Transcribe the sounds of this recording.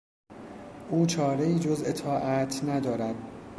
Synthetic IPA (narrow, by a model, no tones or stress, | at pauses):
ʔuːt͡ʃʰɒːɾe̞iːd͡ʒozʔe̞t̪ʰɒːʔæt̪ʰnæd̪ɒːɾæd̪